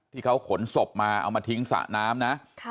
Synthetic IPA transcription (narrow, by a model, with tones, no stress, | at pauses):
t̪ʰiː˥˩kʰa˦˥wkʰo˩˦nso˨˩p̚maː˧ʔa̰˧wmaː˧t̪ʰi˦˥ŋsa̰˨˩naː˦˥mna˦˥ʔʰ